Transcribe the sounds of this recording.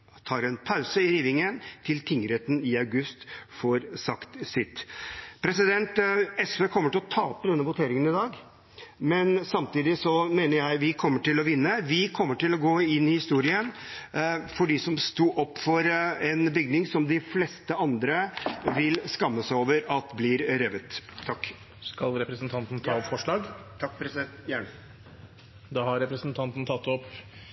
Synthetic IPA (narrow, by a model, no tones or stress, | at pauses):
t̪ʰɑːɾɛnpʰɑʉsəɪɾiːʋɪŋənt̪ʰɪlt̪ʰɪŋːəɾeːt̪ən̩ɪɑʉɡʉst̪fɔɾsɑkt̪sɪt̪ːpʰɾɛsɪd̪ɛnt̪ɛsʋeːkʰɔmːəʈɪlɔt̪ʰɑːpːəd̪ɛnːəʋʊt̪ʰeːɾɪŋənɪd̪ɑːɡ | mɛnsɑmt̪iːd̪ɪsɔmeːnəɾjæɪʋɪkʰɔmːəʈɪlɔʋɪnːəʋɪkʰɔmːəʈɪlɔɡoːɪnːɪhɪst̪uːɾɪən | fɔɖɪsɔmst̪uːʔɔpːfɔɾɛnbʏɡnɪŋsɔmd̪ɪflɛst̪əɑnd̪ɾəʋɪlskɑmːəsæoːʋəɾɑt̪blɪɾɾɛʋət̪ʰːɑkː | skɑlɾɛpɾəsnt̪ʰɑnt̪n̩t̪ʰɑːɔpfɔʂɭɑːɡt̪ʰɑkːpɾɛsd̪ɛt̪jæːɳə | d̪ɑːhɑɾɛpɾəsnt̪ʰɑnt̪n̩t̪ʰɑt̪ːɔpː